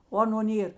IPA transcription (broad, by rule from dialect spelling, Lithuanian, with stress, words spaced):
oː ˈɑːˌnoː ˈnʲeːr